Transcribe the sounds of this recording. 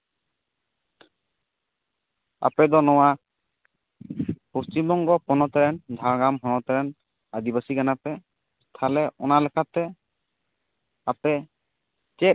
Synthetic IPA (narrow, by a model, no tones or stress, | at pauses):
a̰pɛd̪ɔnɔwa | post͡ʃimbɔŋɡɔpɔnɔt̪ɛɾɛnd̪ʱaɡamɦɔnɔt̪ɛɾɛn | ad̪ibasikanapɛ | st̪ʰalɛʔɔ̰nalɛkʰat̪ɛ | apɛ | t͡ʃɛ